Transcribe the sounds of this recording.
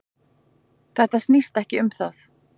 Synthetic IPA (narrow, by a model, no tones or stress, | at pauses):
θɛht̪ast̪nist̪ɛhcɪʏmθaθ